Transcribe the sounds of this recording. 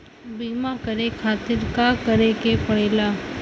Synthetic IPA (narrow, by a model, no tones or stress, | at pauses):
biːmakəɾekʰaːt̪ɪɾkakəɾekepɐɽeːlaː